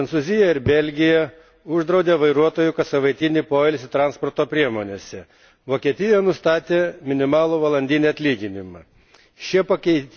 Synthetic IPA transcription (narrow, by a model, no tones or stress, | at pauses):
ɐnsʊzʲɪjɛɪɾbʲɛlʲɡʲɪjɛ | ʊʒd̪ɾɐʊd̪ʲeːʋɐɪɾuɔt̪oːjʊkɐt̪sɐʋɐɪt̪ʲɪnʲɪːpoːɪlʲsʲɪt̪ɾɑːnspɔɾt̪oːpʲɾʲiɛmoːnʲeːsʲɛ | ʋoːkʲiɛt̪ʲɪjɛnʊst̪ɑːt̪ʲeːmʲɪnʲɪmɑːlˠuːʋɐlˠɐnʲd̪ʲiːnʲiɐt̪ʲlʲiːɡʲɪnʲɪmɐ | ʃʲiɛpɐkʲɛɪt̪ʲ